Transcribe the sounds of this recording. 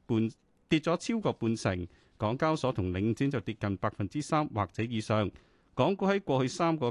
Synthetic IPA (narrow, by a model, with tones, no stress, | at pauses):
puː˨˧n | t̪i˧t̚t͡sɔː˨˥t͡sʰiː˥wkɔː˧puː˧nsɪ˨˩ŋ | kɔː˨˥ŋkaː˥wsɔː˨˥t̪ʰʊ˨˩ŋlɪ˨˧ŋt͡siː˨˥nt͡sɐ˨wt̪iː˧t̚kɐ˨npaː˧k̚fɐ˨nt͡siː˥saː˥mwaː˨˩k̚t͡sɛː˨˥jiː˨˧sœː˨˧ŋ | kɔː˨˥ŋkuː˧˥hɐ˨˥jkʷɔː˧hɵ˧ɥsaː˥mkɔː˧